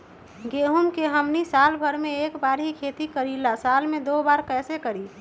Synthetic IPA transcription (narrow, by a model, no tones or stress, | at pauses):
ɡeːɦumkeɦəmnisaːlbʱəɾmẽeːkbaːɾɦikʰeːt̪ikəɾilasaːlmẽd̪obaːɾkɛːsekəɾi